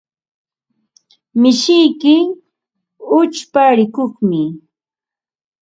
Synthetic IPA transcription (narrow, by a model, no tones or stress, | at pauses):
mɪʃɪjkɪ | ʊt͡ʃpaɾɪkoχmɪ